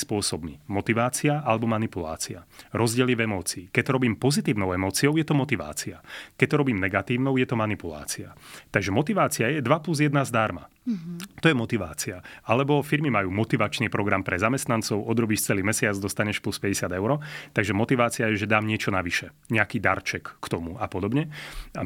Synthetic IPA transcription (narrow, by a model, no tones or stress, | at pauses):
spʊɔsɔbmimɔt̪iʋaːt͡siaʔalɛbɔmanipula̰ːt͡siaɾɔzɟɪɛliɛvɛmɔːt͡siiːkɛct̪ɔɾɔbiːmpɔzit̪iːʊnɔʊɛmɔːt͡siɔʊjɛt̪ɔmɔt̪iʋa̰ːt͡siakɛc̚t̪ɔɾɔbiːmnɛɡat̪iːʊnɔʊjɛt̪ɔmanipula̰ːt͡sia̰t̪aɡʒɛmɔt̪iʋaːt͡siajɛd̪ʋapluzjɛd̪nazd̪aɾma̰ | t̪ɔjɛmɔt̪iʋa̰ːt͡siaalɛbɔfiɾmimajuːmɔt̪iʋat͡ʃniːpɾɔɡɾampɾɛzamɛst̪nant͡sɔʊʔɔd̪ɾɔbiːʃt͡sɛliːmɛsɪad͡zd̪ɔst̪aɲɛʃpluspɛɟɛsɪad̪ɛʊɾɔt̪aɡʒɛmɔt̪iʋaːt͡siajɛʒɛd̪aːmɲɪɛt͡ʃɔnaʋiʃɛ | ɲɛakiːd̪a̰ɾt͡ʃɛkːt̪ɔmuapɔd̪ɔbɲɛ